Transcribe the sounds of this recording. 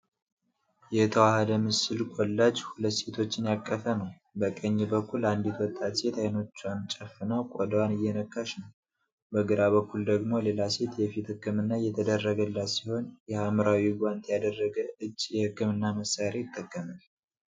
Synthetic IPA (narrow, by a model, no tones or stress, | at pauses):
jɛt̪ʰəwahəd̪əmɨsɨlkʼɔlːad͡ʒhulət̪ːse̞t̪ʰo̞t͡ʃːɪnjakʼːəfənəw | bəkʼəɲːɛbəkʰːuland̪it̪wɔt̪ʼːat̪se̞t̪ʰajno̞t͡ʃːuant͡ʃʼəfːɨnawkʷʼod̪əwanɨjːɛnəkʰːaʃnəw | bəɡɨɾaβəkʰːuld̪əɡmo̞le̞lase̞t̪jɛfit̪hɨkːɨmɨnːajɛt̪ʰəd̪ərːəɡəlːasiho̞njɛaməɾawiɡʷant̪ʰjad̪ərːəɡəʔɨd͡ʒːjɛhɨkːɨmɨnːaməsaɾe̞jɪt̪ʰːəkːəmal